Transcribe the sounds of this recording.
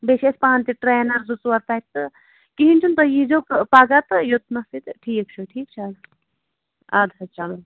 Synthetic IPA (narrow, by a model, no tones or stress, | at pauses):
beʃespãːnt̪iʈɾeːnɐɾzut͡swɐɾt̪ajt̪ːɨ | kiɦint͡ʃʰunt̪ɐjid͡ʒokpaɡat̪ɨjot̪nɐsit̪ʈʰiːk̚t͡ʃʰuʈʰiːk̚t͡ʃʰɐl | ad̪ʱɐt͡ʃɐlɐn